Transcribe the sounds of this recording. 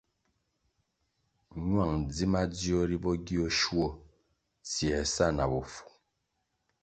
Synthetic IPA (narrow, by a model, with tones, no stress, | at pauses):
ɲwa˦˨ŋd͡zi˦ma˦d͡zi˦o˦ɾi˦bɔ˦ɡi˦o˦ʃwo˦ | sjɛ˨sa˦na˨bo˨fu̥˨